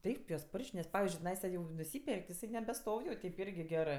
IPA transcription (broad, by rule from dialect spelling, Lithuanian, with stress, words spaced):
ˈtɐɪp juɔs ˈpoːrʲʃʲkʲ nʲɛs ˈpɑːʋʲɪzʲd͡ʒʲʊɪ tʲɪˈnɐɪsɐ jɛʊ nʊˈsʲiːpʲɛrʲkʲ tʲɪ ɪˈsɐɪ nʲɛbʲɛˈstoːw jɛʊ ˈtʲɛɪp ˈɪrʲɡʲɪ ˈɡʲæːrɜ